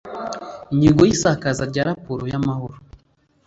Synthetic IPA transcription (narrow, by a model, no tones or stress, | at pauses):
iɲiɡojisakazaɾɟaɾapuɾojamahoɾo